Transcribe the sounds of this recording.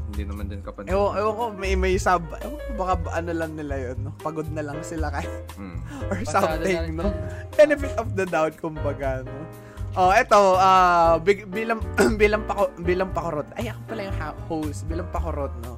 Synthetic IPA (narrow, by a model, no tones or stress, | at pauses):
d̪inmɐnd̪ɪnʔɛwʔɛwɐŋkomɛjmɐjsab̚ɛwbɐkabʔɐnolɐŋnɪlajonːopɐɡod̪̚nɐlɐŋsɪlakɐja | ʔoɹsɐmt̪ɪŋŋnobɛnɛfɪt̪ɔfd̪ɐd̪awt̪̚kʊmbɐɡano | ʔoʔɛt̪o̞aːbɪɡbiːlɐŋbiːlɐŋpɐkobiːlɐŋpɐkoɾot̪̚ʔɐ̰jakɐpɐlajʊŋhaphowsbiːlɐŋpɐkoɾot̪̚no